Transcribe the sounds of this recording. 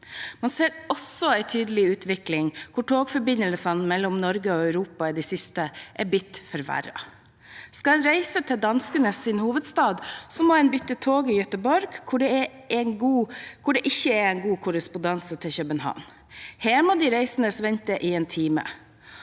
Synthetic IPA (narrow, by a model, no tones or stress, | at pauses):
mɑnseːɾɔsɔæɪt̪ʰyːd̪əlɪʉːt̪ʰʋɪklɪŋkʰʊʈʰoːɡfɔɾbɪnəlsɑnmɛlːɔmnɔɾɡəɔœʉɾuːpɑɪd̪ɛsɪst̪əʔɛbʏt̪ːfɔɾʋæ̰ɾɑ̰ | skɑɛnɾæɪsət̪ʰɪld̪ɑnskənəsɪnhuːʋəd̪st̪ɑːd̪sɔmɔɛnbʏt̪ːət̪ʰoːɡɪjœt̪əbɔɾɡkʰʊɖɛɛ | ɛnɡuːkʰʊɖɛʔɪçːəæɾɛnɡuːkʰʊɾəspʊnd̪ɑnsət̪ʰɪçœbənhɑ̰ːn | heːmɑd̪iɾæɪsənəsʋɛnt̪əʔɪeːnt̪ʰiːmə̰